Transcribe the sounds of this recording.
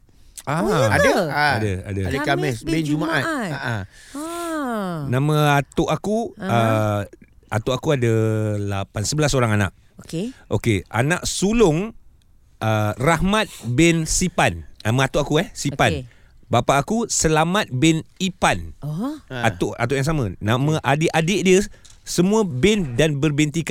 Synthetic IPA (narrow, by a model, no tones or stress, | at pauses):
aadaadəa̰dədkaɛbɛnd͡ʒd͡ʒumaʔat̚aʔ | nãmãat̪ʊʔakuə | at̪ʊʔakuadalapansəbəlasoɾaŋana̰ʔ̚ | okeʔo̰kea̰naʔsulʊŋ | ʔərahmat̪̚bɛnsipannamə̃at̪ʊʔakuɛsipan | bapaʔakusəlamat̪̚bɛnipan | at̪ʊʔa̰t̪ʊʔjaŋs̬amə̃nãmə̃ʔadɪʔadɪʔdiə | səmũə̃bɛndanbərbɛnt̪̬ika